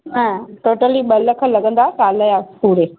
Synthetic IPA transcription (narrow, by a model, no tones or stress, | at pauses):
nãʈoːʈəliɓɐləkʰə̃lɐɡə̃nd̪at͡ʃaːləjapuːɽe